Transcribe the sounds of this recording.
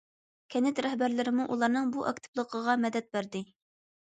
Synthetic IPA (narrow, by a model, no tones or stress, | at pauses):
kʲʰɛnɪt̪ɾɛɦbæɾlɪɾɪmuʔulˠɑɾnɨŋbuʔɑ̰kt̪ʰɪ̥blˠəqʰəʁɑmɛd̪ɛt̪̚bæɾd̪ɪ